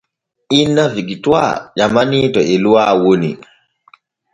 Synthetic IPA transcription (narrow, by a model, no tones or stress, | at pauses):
inːaviɡitwa̰d͡ʒamanitɔɛluwaːwonḭ